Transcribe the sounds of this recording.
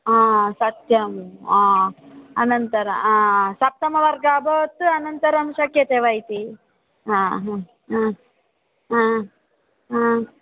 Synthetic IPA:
aːsɐt̪jɐmaːɐnɐnt̪ɐɾɐmaːsɐp̚t̪ɐmɐʋɐɾɡaːboːt̪ɐnɐnt̪ɐɾɐmʃɐkjɐt̪eːʋɐjt̪i | ɦãɦ | a | aː | a

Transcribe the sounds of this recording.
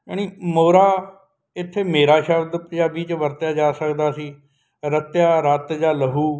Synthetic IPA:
aːñiːmoːɾaː | ɪt̪ʰːeːmeːɾaːʃəbd̪pəd͡ʒaːbiːt͡ʃʋəɾt̪jaːd͡ʒaːsəkd̪aːsiː | ɾət̪jaːɾət̪d͡ʒaːləɦuː

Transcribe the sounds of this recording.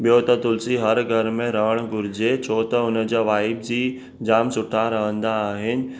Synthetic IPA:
ɓijot̪ɐt̪ʊlsiɦɐɾɡʱɐɾmẽɾɐɦəɽ̃ɡʊɾɪd͡ʑet͡ɕʰoːt̪ɐʊnə̆d͡ʑaːʋaːɪb̚d͡ʑiː | d͡ʑaːmsʊʈʰaɾɐɦə̃nd̪aːɦɪnɪ̆

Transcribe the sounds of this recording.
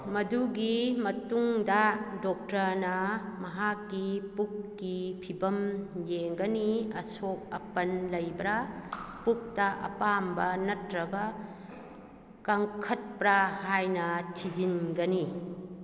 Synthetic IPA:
mɐduɡimɐtuŋdɐdɔk̚tɐnɐmɐɦakːipuk̚ːipʰibɐmjeŋɡɐniɐsok̚ɐpɐnlɐjbɾɐpuk̚tɐʔɐ̰pambɐnɐtɾɐɡɐ | kɐŋkʰɐt̚pɾahajnɐtʰizinɡɐni

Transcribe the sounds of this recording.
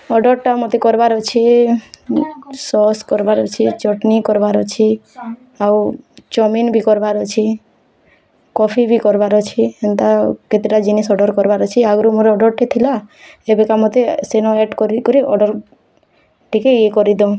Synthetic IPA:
ɔɖɔɾʈamɔt̪ekɔɾbaɾɔt͡ʃʰi | sɔskɔɾbaɾɔt͡ʃʰit͡ʃɔʈnikɔɾbaɾɔt͡ʃʰi | awt͡ʃɔminbikɔɾbaɾɔt͡ʃʰi | kɔpʰibikɔɾbaɾɔt͡ʃʰient̪aket̪ɾiɾad͡ʒinisɔɖɔɾkɔɾbaɾɔt͡ʃʰiaɡɾumoɾɔɖɔɾʈit̪ʰila | ebekamɔt̪esenɔɛʈkɔɾikɔɾiʔɔɖɔɾ | ʈikeekɔɾid̪ɔ̃

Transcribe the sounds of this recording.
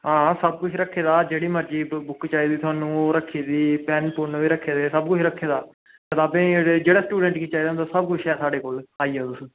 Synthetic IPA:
ɦãːsəb̚kʊt͡ʃʰɾəkʰːeːd̪aːd͡ʒeːɽiːməɾd͡ʒiːbʊkt͡ʃaːiːd̪iːt̪ʰʊaːnũːoɾəkʰːeːd̪iːpɛnpʊnʋiːɾəkʰːeːd̪eːsəbkʊt͡ʃʰɾəkʰːeːd̪aː | t̪ət̪aːbẽːɽd͡ʒeːɽaːsʈuːɖɛɳʈɡiːt͡ʃaːiːd̪ant̪ːsəb̚kʊt͡ʃʰɛːsaːɖeːkoːlaːiːɦɛːt̪ʊs

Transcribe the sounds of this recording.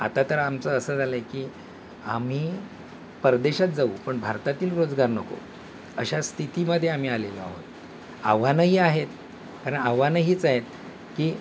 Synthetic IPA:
a̰t̪at̪əɾamt͡səəsəːd͡zʱaləekiː | am̤iː | pəɾd̪eɕat̪̚d͡zauːpəɳbʱaɾt̪at̪iːlɾod͡zɡaɾnəko̰ | əɕast̪ʰit̪iməd̪ʱjeam̤iːaleləa̰ɦo̰t̪ | a̰ʋanəɦiːaɦet̪ | kaɾəɳaʋanəɦiːt͡saɦet̪ | kiː

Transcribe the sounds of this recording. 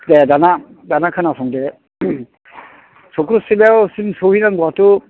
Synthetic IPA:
dedana | danakʰanasʰɔŋde | sɔkɾusilewsimsohinaŋɡuatu

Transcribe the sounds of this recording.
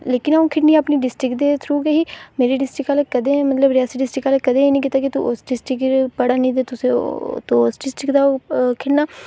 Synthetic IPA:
leːkɪnaũːkʰɪɽniːəpniːɖɪsʈɾɪkd̪eːt̪ʰɾuːkeɦiːmeːɾiːɖɪsʈɾɪkaːlekəd̪eːmət̪ləbɾɪjaːsiɖɪsʈɾɪkaːlekəd̪ẽːeːnĩːkiːt̪aːkit̪uʔosɖɪsʈɪkpəɽaːnəĩːd̪eːt̪ʊsḛ̃t̪oosɖɪsʈɾɪkd̪aːkʰɪɽnaː

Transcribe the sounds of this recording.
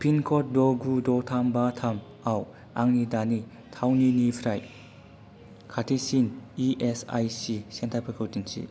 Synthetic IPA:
pʰinkʰɔt̚dɔɡudɔtʰambatʰam | aw | aŋnidani | tʰawninipʰɾaj | kʰatʰisiniesa̰jsisentʰapʰakʰuwtinsḭ

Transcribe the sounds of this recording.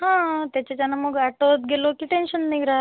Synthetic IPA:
ɦãt̪jat͡ɕat͡ɕanamoɡɐʈot̪ɡelokiʈenʃənniɡɾa

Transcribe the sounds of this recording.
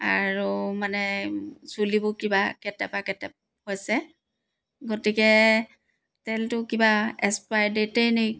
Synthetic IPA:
aɹumanɛsulibʊkibakɛtɛpakɛtɛp̚ | hojsɛ | ɡotikɛ | tɛltʊkibaɛspajdetejnej

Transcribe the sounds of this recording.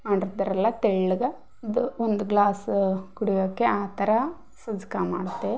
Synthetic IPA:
maːɽiɾd̪ɐɾɛlːɐt̪eɭːuɡɐ | id̪uond̪uɡlaːskuɽijɐkːeaːt̪ɐɾɐ | sɐd͡ʒkamaːɽt̪ːe

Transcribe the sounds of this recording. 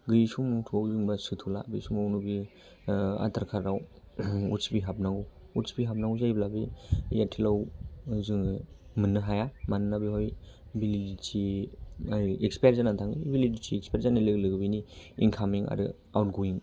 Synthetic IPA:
ɡɯjsumutʰuawzɯŋbasɯtʰula̰bisumawnubi | a̰tʰaɾkʰaɾɾaw | utsipiɦap̚naŋɡu | utsi̥piɦap̚naŋɡuzajblabijatʰilawziŋ | mɯnːɯɦajamanɯnabiɦɔj | bilidisʰi | ekspeɾzanantʰaŋibilidisʰiːk̚speɾzanilɯɡlɯɡɯbiniinkʰamiŋa̰ɾɯ̰ | awt̚ɡuiŋ

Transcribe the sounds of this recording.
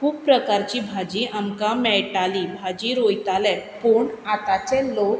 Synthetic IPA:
kuppɾəkaɾt͡ɕibʱad͡ʑiʔamkamɛjʈalibʱad͡ʑiɾojt̪alɛpoɳat̪at͡ɕɛ̃lok

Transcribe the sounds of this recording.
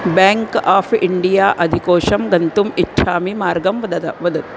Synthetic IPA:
bɛːŋkaːpʰḭɳɖijaːʔɐd̪ʱikoːʃɐmɡɐnt̪umitːʃʰaːmimaːɾɡɐmʋɐd̪ɐt̪ɐʋɐd̪ɐt̪̚

